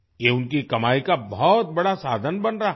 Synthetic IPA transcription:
jeʊnkikɐmaːikabɔt̪̚bɐɽasaːd̪ʱənbɐnɾa

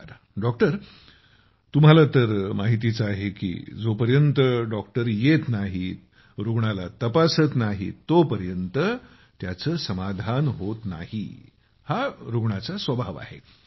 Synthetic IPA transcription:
ɖɔk̚ʈəɾ | t̪um̤alat̪əɾmaɦit̪it͡səaɦekḭːd͡zopəɾjənt̪əɖɔkʈəɾjet̪naɦi | ɾuɡɳalat̪əpasət̪naɦit̪ːopəɾjənt̪ə | t̪jat͡səːsəmad̪ʱanɦot̪na̰hḭ | haɾuɡɳat͡sasʋəbʱaʋa̰ɦe

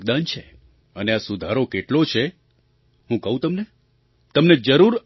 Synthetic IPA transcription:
ɡd̪ant͡ʃʰe | əneasud̪ʱaɾokeʈlot͡ʃʰe | hũkəɦũt̪əmne | t̪əmned͡ʒəɾuɾ

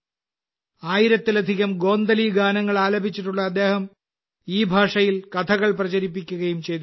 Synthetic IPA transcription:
aːjiɾɐt̪ːilɐd̪ʱiɣɐmɡo̞ːnd̪ɐliɡaːnɐŋːɐɭaːlɐbʱit͡ɕːiʈːuɭːɐːd̪ːe̞ːhɐm | iːbʱaːʂɐjilkɐt̪ʰɐɣɐɭprɐt͡ɕɐɾipːikʲːuɣɐjumt͡ɕe̞jt̪u

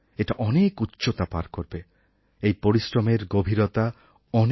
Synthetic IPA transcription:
eʈaʔɔnekutːʃot̪apa̰ɾkoɾbe | ejpoɾisʈɔmeɾɡobʱiɾɔt̪a | ɔn

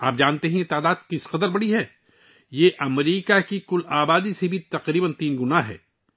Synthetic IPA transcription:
aːp̚d͡ʒaːnt̪eɦɛ̃et̪aːd̪aːd̪̚kɪsqɐd̪əɾbɐɽiɦɛː | jeʔɐmɾiːkakikʊlaːbaːd̪isebʱit̪ɐqɾiːbənt̪iːnɡʊnaɦɛ̰ː

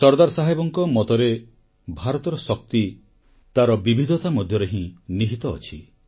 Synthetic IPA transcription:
sɔɾd̪aɾɔsaɦajbɔŋkɔmɔt̪ɔɾe | bʱaɾɔt̪ɔɾɔsɔk̚t̪i | t̪aɾɔbibʱid̪ʱɔt̪amɔd̪ʱjɔɾeɦĩniɦit̪ɔ̰ːt͡ʃʰi

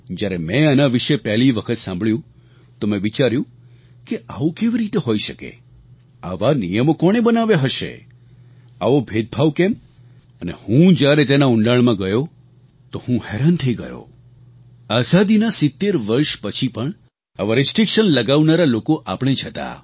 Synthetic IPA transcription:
d͡ʒjaɾemɛ̃anaʋiʃepɛɦliʋəkʰət̪sãmbɭjũ | t̪omẽʋit͡ʃaɾjũ | keʔaʋokeʋiɾit̪eɦojʃəkḛ | aʋanijəmokɔɽ̃ebənaʋjeɦəʃḛ | a̰ʋobʱed̪̚bʱaʋkem | ənehũd͡ʒjaɾet̪enauɳɖaɭmãɡəjo | t̪ohũhɛɾant̪ʰəiɡə̰jo̰ | azad̪inasɪt̪ːeɾʋəɾʃpət͡ʃʰipəɳ | aʋaɾɪsʈɾikʃənləɡaʋnaɾalokoʔapɽ̃ed͡ʒɦət̪a̰

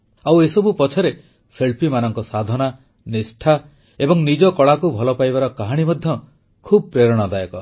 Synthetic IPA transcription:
awesɔbupɔt͡ʃʰɔɾe | sʰeɭpimanɔŋkɔsad̪ʱɔna | nesʈʰa | ebɔŋnid͡ʒɔkɔɭakubʱɔlɔpajbaɾɔkaɦaɽ̃imɔd̪ʱjɔ | kʰubɔpɾeɾɔɽ̃ɔd̪ajɔkɔ

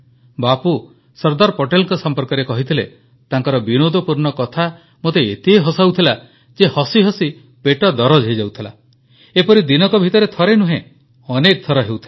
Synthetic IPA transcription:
bapu | sɔɾd̪aɾpoʈelɔŋkɔsɔmpɔɾkɔɾekɔɦit̪ʰile | t̪aŋkɔɾɔbinod̪ɔpuɾnɔkɔt̪ʰa | mot̪eet̪iɦeɦɔsawt̪ʰila | d͡ʒehɔsiɦɔsi | peʈɔd̪ɔɾɔd͡ʒɦejd͡ʒawt̪ʰila̰ | epɔɾid̪inɔkɔbʱit̪ɔɾet̪ʰɔɾenuɦẽ | ɔnek̚d̪ʰʱɔɾɔɦewt̪ʰi̥l

